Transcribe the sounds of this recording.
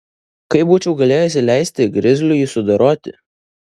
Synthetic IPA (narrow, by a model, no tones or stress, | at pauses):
kɐɪpbuːt͡ʃʲɛʊɡɐlʲeːjɛsʲɪlʲæɪsʲt̪ʲɪɡɾʲɪzʲlʲʊjiːsʊd̪ɐɾoːt̪ʲɪ